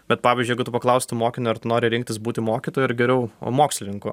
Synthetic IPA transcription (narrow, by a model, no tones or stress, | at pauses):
bʲɛt̪pɑːʋʲɪːzʲd͡ʒʲʊjɛɡʊt̪ʊpɐklˠɐʊsʲt̪moːkʲɪnʲʊɐɾt̪ʊnoːɾʲɪɾʲɪŋkt̪ʲɪsbuːt̪ʲɪmoːkʲit̪oːjʊɪɾɡʲɛɾʲɛʊ̰moːksʲlʲɪnʲɪŋkʊ